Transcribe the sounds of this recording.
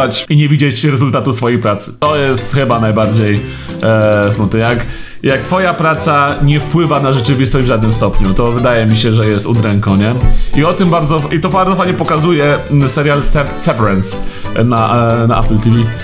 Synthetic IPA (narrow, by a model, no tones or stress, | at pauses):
at͡ɕiɲɛvʲid͡ʑet͡ɕɾɛzult̪at̪usfɔjejpɾat̪sɘ̥t̪ɔjɛst̪xɘbanajbaɾd͡ʑej | smɔt̪ɛjak | jak̚t̪fɔjapɾat̪saɲɛfpwɘvanaʐɛt͡ʂɘvʲist̪ɔʑd͡ʑvʐad̪̚nɘmst̪ɔpɲut̪ɔvɘd̪ajɛmʲiɕɛʐɛjɛst̪ud̪ɾɛŋkɔ̃w̃ɲɛiɔt̪ɘmbaɾd̪zɔʔit̪ɔbaɾd̪zɔfajɲɛpɔkazujɛsɛɾʲjalsɛsɛvɾɛnsnanaʔa̰plt̪ivʲi